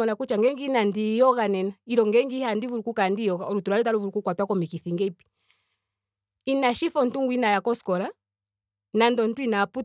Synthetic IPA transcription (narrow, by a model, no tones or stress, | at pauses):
ɔnakut͡ʃaŋɡɛŋɡinandijɔɣanɛnaiɾɔŋɡɛŋɡihandivuɾukukandijɔɣaɔɾutuɾalɛt̬aɾuvuɾukukwatwakɔmikiθiŋɡɛpi̥ | inaʃifɔn̩tuŋɡwinajakɔskɔla | nandɔn̩twinapu